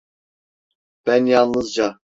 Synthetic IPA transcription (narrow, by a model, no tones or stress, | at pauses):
b̥ænjɑnnɯzd͡ʒɑ